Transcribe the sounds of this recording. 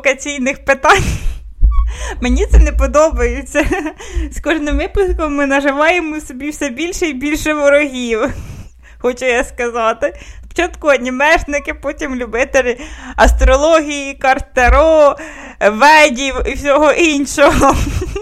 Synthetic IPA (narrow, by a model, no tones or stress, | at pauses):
kɐt͡sʲijnɪxpɪt̪ɑnʲ | menʲit̪sɛnepɔd̪ɔbɐjɪt͡sʲːɐskɔʒnɪmʋɪpʊskɔmːɪnɐʒɪʋɑjemɔsɔbʲiwsɛbʲilʲʃɛibʲilʲʃɛʋɔɾɔɦʲiw | xɔt͡ʃʊjaskɐzɑt̪ɪft͡ʃɔt̪kʊɐdʲnʲimɛʒnɪkɪpɔtʲimlʲʊbɪt̪elʲɪɐst̪ɾɔlˠɔɦʲijikɐrt̪eɾɔ | ʋɛdʲiwiwsʲɔɦɔʔinʃɔɦɔ